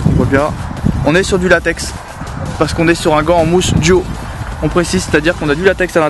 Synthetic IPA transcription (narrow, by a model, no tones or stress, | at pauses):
ɔ̃vwabjɛ̃ɔ̃nɛsyʁd̪ylat̪ɛks | paʁsə̥kɔ̃nɛsyʁɛ̃ɡɑ̃ːmusd̪jo | ɔ̃pχesizse̥t̪ad̪iʁkɔ̃nad̪ylat̪ɛksalɛ̃